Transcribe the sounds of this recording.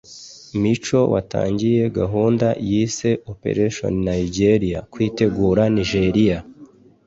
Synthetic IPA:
mit͡ʃo̞wa̰ta̰ːɲɟije̞ɡaɦuːndajiːse̞opḛɾeʃo̰nnaiɟeɾijakwiːte̞ɡuːɾaniʒeɾija

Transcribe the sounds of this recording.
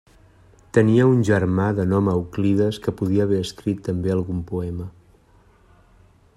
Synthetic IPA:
t̪əniəunʲʒərmaðənɔməwkliðəskəpuðiəːβɛəskɾit̪ːəmbeəlˠɣumpuɛmə

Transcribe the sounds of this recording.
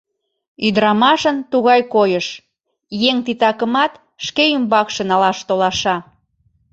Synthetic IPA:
yd̪ɾɑmɑʃənt̪uɣɑjkojəʃ | jeŋt̪it̪ɑkəmɑt̪ | ʃkeymbɑkʃə̆nɑlɑʃt̪olɑʃɑ

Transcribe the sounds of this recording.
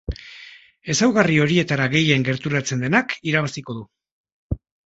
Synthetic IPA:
e̞sawɣario̞ɾie̞t̪aɾaɣe̞je̞ŋɡe̞ɾt̪uɾat͡se̞nd̪e̞nakiɾaβasiko̞ðu

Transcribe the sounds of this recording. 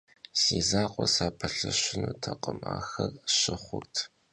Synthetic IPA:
siːzaːqʷʼɔsaːpʰɐɬɨɕɪnuːtʰɐqʼəmaːxɐrɕɪχʷʊrtʰ

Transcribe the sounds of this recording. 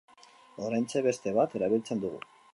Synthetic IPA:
o̞ɾajnt͡seβe̞st̪e̞βat̪e̞ɾaβilt͡se̞nd̪uɣṵ

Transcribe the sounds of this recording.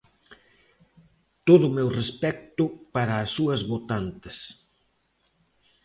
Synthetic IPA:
t̪oðʊmɛwrespɛk̚t̪ʊpaɾaːsːuɐzβot̪ant̪ɪs

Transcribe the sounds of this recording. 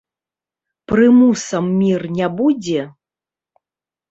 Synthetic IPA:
prɨmusɐmːʲirnʲabud͡zʲɛ

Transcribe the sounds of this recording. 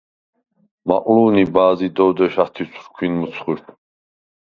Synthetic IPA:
ma̰qʼluːnibaːzid̪ɔwd̪ɛʃat̪ʰisʰɾkʰinmusʰχuɾt̪ʰ

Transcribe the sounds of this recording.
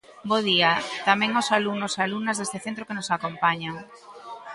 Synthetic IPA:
boðiat̪amẽŋosalunosalumnazðest̪eθẽnt̪ɾokenosakompaɲaŋ

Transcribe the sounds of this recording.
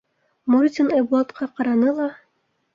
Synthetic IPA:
muɾʲt̪ʲinɑjbuɑt̪qʰɑqɑɾɑnɤlˠɑ

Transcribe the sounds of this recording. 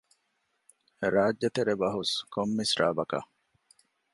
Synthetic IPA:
ɾaːd͡ʒːɐt̪eɾebɐɦuskomːisɾaːbɐka̰

